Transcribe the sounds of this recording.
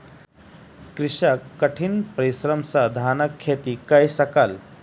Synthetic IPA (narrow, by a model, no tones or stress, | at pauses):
kɾiɕakːəʈʰiːnpəɾisɾəmsad̪ʱaːnəkʰːet̪ikajsɐkal